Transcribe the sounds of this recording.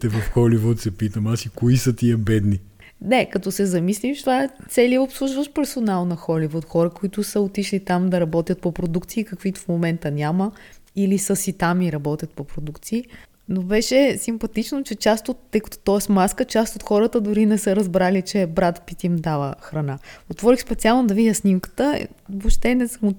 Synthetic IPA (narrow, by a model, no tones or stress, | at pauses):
t̪ɛvɐfxɔlivot̪sɛpit̪əmasikoisət̪iəbɛd̪ni | nɛkɐt̪ɔsɛzɐmislimt͡ʃt̪vaɛt̪sɛliəopslˠuʒvəʃpɛɾsonalˠnɐxɔlivot̪xɔɾəkoit̪ʊsəot̪iʃlit̪amd̪ɐɾɐbɔt̪ʲjət̪̚popɾod̪ukt̪siːkɐkvit̪ʊ̥fmomɛnt̪ənʲaməilisəsit̪amiɾɐbɔt̪ʲət̪̚popɾod̪ukt̪siː | nobɛʃɛsimpɐt̪it͡ʃnot͡ʃɛt͡ʃast̪ot̪ːɤjkɐ̥t̪ʊ̥t̪ɔɛsmaskət͡ʃast̪ot̪xɔɾət̪əd̪ʊɾinɛsəɾɐzbɾalit͡ʃɛbɾat̪pit̪ʲimd̪avəxɾɐnaot̪vɔɾixspɛt̪sʲialˠnod̪ɐvidʲəsnʲimkə̥t̪ə̰ | vopʃt̪ɛnɛsm